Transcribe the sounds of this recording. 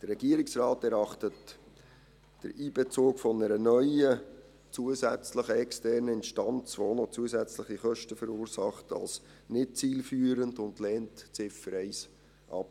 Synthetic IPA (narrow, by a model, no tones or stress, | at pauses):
d̥ərɛɡiəɾɪksrɑːtɛɾɑχtət | d̥ə̰ɾiːb̥ɛt͡soːkfɔnəɾənœʏə | t͡suəzæt͡sləχəɛkstɛrnəɪnʃtɑnt͡sʋonɔt͡suəsæt͡sləχiχœʃtəfəɾuːɾsɑχtɑ̰lsnɪt̚t͡siːlfyːəɾəndʊndlɛːntt͡sɪfəɾɛɪs | ʔɑ̰p